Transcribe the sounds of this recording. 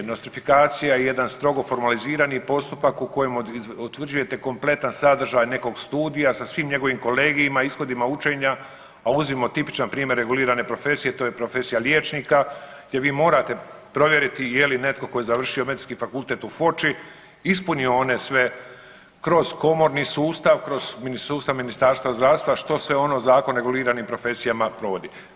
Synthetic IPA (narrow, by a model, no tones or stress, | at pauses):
nost̪ɾifikaːt̪sijajeje̞d̪anst̪ɾo̞ɡo̞fo̞ɾmaliziːɾaniːpo̞st̪upakuko̞jemut̪ʋr̩d͡ʒuje̞t̪e̞ko̞mple̞t̪ansad̪r̩ʒajne̞ko̞ɡst̪uːd̪ijasasʋiːmɲe̞ɡo̞ʋimko̞le̞ːɡijimaisxo̞d̪imaut͡ʃe̞ːɲa | auzimo̞t̪ipi̥t͡ʃanpɾiːmje̞ɾːe̞ɡuliːɾane̞pɾo̞fe̞sije̞t̪oːjepɾofe̞sijaljet͡ʃniːkaɡd̪je̞ʋiːmo̞ːɾat̪e̞pɾo̞ʋje̞ɾit̪ijeline̞t̪ko̞ko̞jezaʋr̩ʃio̞me̞d̪iskiːfakulˠt̪et̪ufo̞t͡ʃi | ispunioone̞sʋe̞ | kɾo̞z̥ko̞mo̞ɾniːsuːst̪aʋkɾo̞z̥minisuːst̪aʋminist̪aːɾst̪ʋazd̪ɾaʋst̪ʋaʃt̪o̞sʋe̞o̞nozaːkonɾe̞ɡuliːɾanimpɾo̞fe̞sijamapɾo̞ʋo̞d̪i